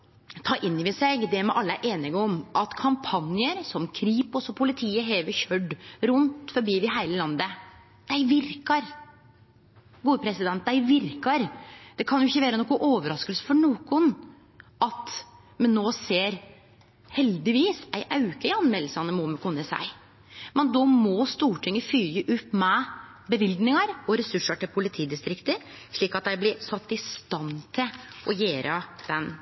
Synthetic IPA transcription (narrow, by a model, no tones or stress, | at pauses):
t̪ʰɑːʔɪnːɪʋɪsɛɡd̪ɛmɛʔɑlːəʔeːnɪɡəɔmʔɑt̪kʰɑmpʰɑnjəɾsɔmkʰɾiːpɔsɔpʰʊlɪt̪ʰiːəɦeːʋəɾçœɖɾʊnt̪fɔɾbiːʋɪɦæɪləlɑnd̪ə | d̪̥æɪʋɪɾkɑɾ | ɡuːpʰɾɛsɪd̪ɛnt̪̚d̪æɪʋɪɾkɑɾd̪̥ɛkʰɑnjʊɪçːəʋæːɾənɔkːɔʔoːʋəɾɑskəlsə̥fɔɳoːkʊn | ʔɑt̪ | mɛnːoːseːɾ | hɛld̪ɪʋiːsæɪʔɑʉkəɪɑnmɛlːəsɑnəmɔməkʰʊnːəsæ̰ɪ | mɛnd̪ɔmɔst̪uːʈʰɪŋːəfyːəʔʉpːmɛ | bəʋɪld̪nɪŋɑɾɔɾɛsʉʂːəʈɪlpʰʊlɪt̪ʰiːd̪ɪst̪ɾɪkt̪əɾ | ʂɭiːkɑt̪̚d̪æɪblɪɾsɑt̪ːɪst̪ɑnt̪ʰɪlʔɔjeːɾʔəd̪̥ɛn